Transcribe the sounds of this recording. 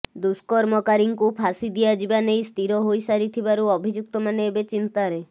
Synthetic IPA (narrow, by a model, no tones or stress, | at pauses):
d̪uskɔɾmɔkaɾiŋkupʰasid̪ijad͡ʒibanejst̪ʰiɾɔɦojsaɾit̪ʰibaɾuɔbʱid͡ʒuk̚t̪ɔmaneebet͡ʃint̪aɾe